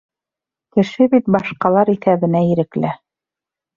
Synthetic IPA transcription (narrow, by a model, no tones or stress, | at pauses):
kɘ̆ʃɘbit̪̚bɑʃqɑlˠɑɾiθæβɘ̆næiɾɘ̆klæ